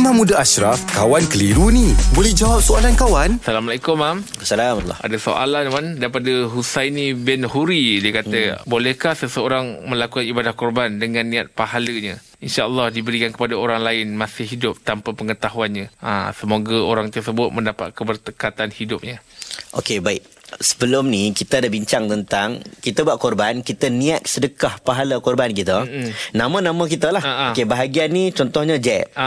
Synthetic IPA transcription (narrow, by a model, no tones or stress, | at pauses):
mãmũdaaʃɾafkawankəliɾunĩbolɛhd͡ʒawap̚soalankawansalamalakʊmːamsalama̰daso̰ʔa̰lanmandaipadəɦusajnĩbɛnhuɾidiəkat̪əbolɛhkahsəsəoɾaŋmə̃lakukanibadahkɔrbandəŋãnːĩat̪̚pahaləɲã | inʃaʔəlˠːɑhdibəɾikankə̥padaoɾaŋlaɪnmãsɪhːidʊp̚t̪ampapəŋət̪aɦuanɲaa̰səmoɡaoɾaŋt̪ərsəbʊt̪̚mə̃ndapa̰t̪̚kəbərt̪əkat̪anhidʊp̚ɲaʔokebaɪk̚ | sə̥bəlʊmnikit̪ədabiɲt͡ʃaŋt̪ənt̪aŋkit̪əbwaʔ̪̚kɔrbankit̪ənĩat̪̚sədəkahpaɦalakɔrbankit̪ənãmãnãmə̃kit̪əlahaokebaɦaɡianːit͡ʃɔnt̪ɔhɲãd͡ʒɛp̚